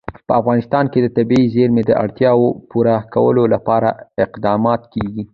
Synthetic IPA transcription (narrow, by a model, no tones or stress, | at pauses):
pəafɣɑnɪst̪ɑnked̪ət̪abiizeɾmed̪əʔa̰ɽt̪jɑwopuɾakawə̰lolapɑɾaɪqd̪ɑmɑt̪keɡi